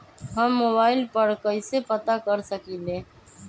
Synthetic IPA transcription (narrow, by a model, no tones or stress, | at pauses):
ɦɐmːoːbaːɪlpəɾkɐɪsepɐt̪akəɾsəkiːleː